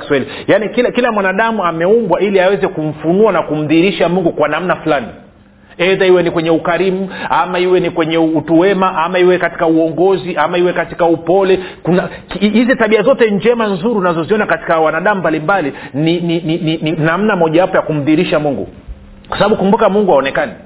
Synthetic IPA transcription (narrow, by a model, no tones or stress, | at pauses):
i̥swɛli | janikilakilamwanaɗamuamɛumbwailiawɛzɛkum̩funuanakum̩ðiɾiʃamuŋɡukwanam̩nafulani | ɛðaiwɛnikwɛɲɛukaɾimuamaiwɛnikwɛɲɛutuwɛmaʔamaiwɛkati̥kauɔŋɡɔziʔamaiwɛkati̥kaupɔlɛ | kuna | khizitaɓiazɔtɛɲd͡ʒɛmanzuɾiunazɔziɔnakati̥kawanaɗamumbalimbalininininininam̩namɔʄawapɔjakum̩ðiːɾiʃamuŋɡṵ | kwasaɓaɓukumbukamuŋɡuhaɔnɛkani